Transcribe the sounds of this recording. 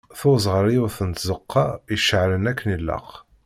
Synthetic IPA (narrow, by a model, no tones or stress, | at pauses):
θʊzʁəɾˤiʊθənt̪zəqːɑjəʃəʕlənækːənilːɑ̰q